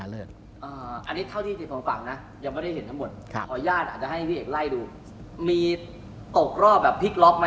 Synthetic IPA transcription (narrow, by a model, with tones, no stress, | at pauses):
a˦lɯ˥˩ | ʔɤː˧˩ʔa˧nːi˦˥t̪ʰa˥˩wt̪ʰiː˥˩t͡ɕi˨˩kʰɔː˨˦ŋfa˨˩ŋna˦˥ | ja˨˩ŋma˥˩da˥˩ɦe˦nt̪a˦˥ŋmo˨˩t̪̚kʰpʰɔː˨˩˦jaː˥˩t̪̚ʔaː˨˩t̪̚t͡ɕa˨˩ɦa˥˩pʰiː˥˩ʔeː˨˩la˥˩jduː˧ | miː˧ | t̪o˨˩k̚ɾɔː˥˩p̚bɛː˨˩pʰːi˦˥k̚lɔ˦˥k̚ma˦